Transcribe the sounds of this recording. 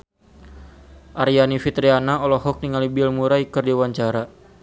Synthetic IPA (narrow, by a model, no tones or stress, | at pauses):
ʔaɾianifit̪ɾianaɔlɔhɔk̚niŋalibilmuɾaikərdiuwaɲt͡ʃaɾa